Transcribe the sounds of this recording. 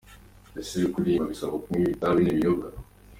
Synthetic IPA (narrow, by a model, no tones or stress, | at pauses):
esiβikuɾiaβisakokumiβitaβineβijoɡa